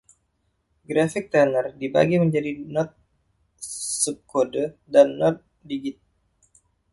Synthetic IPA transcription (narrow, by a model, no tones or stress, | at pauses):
ɡɾafɪk̚t̪ɛnərdiba̰ɡiməɲd͡ʒadinɔt̪̚ | sup̚kodədanːɔt̪̚ | diɡɪt̪̚